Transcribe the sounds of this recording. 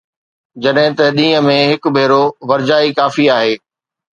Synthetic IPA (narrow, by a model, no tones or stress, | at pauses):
d͡ʑɐɗɦɪ̃t̪ɐɗ̪ĩːə̆mẽɦɪkʊbʱeːɾoʋɐɾd͡ʑaːikaːfiaːɦeː